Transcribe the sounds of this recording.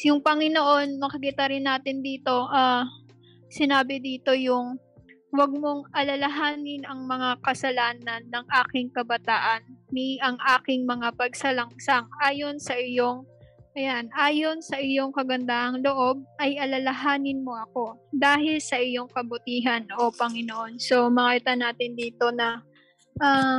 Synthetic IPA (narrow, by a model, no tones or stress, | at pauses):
jʊŋpɐŋɪnoʔo̞nmɐkɐkit̪ɐɾɪnːaːt̪ɪnd̪iːt̪o̞ʔɐ | sɪnaːbɪd̪iːt̪o̞jʊŋ | wɐɡ̚moŋʔɐlɐlɐɦaːnɪnɐŋmɐŋakɐsɐlaːnɐnːɐŋʔaːkɪŋkɐbɐt̪aːʔɐnːiʔɐŋʔaːkɪŋmɐŋapɐɡ̚sɐlɐŋsaŋʔaːjo̞nsɐʔɪjoŋʔɐjanʔaːjo̞nsɐʔɪjo̞ŋkɐɡɐnd̪aːhɐŋlo̞ʔo̞b̚ʔɐjʔɐlɐlɐɦaːnɪnmo̞ʔɐko̞d̪aːhɪlsɐʔɪjo̞ŋkɐbʊt̪iːɦɐnʔo̞pɐŋɪnoʔo̞nso̞mɐkit̪ɐnaːt̪ɪnd̪iːt̪o̞nɐ | ʔa